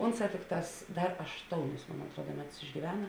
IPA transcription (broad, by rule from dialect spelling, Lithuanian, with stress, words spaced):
ˈʊnˌsɑː ˈtʲɪkˌtɑːs ˈdɐr ɐʃˈtoːʊnʲɪs moːn ɐtˈruɔdɐ ˈmʲæːˌtʊs ɪʒʲɡʲiːˈʋʲæːnɐ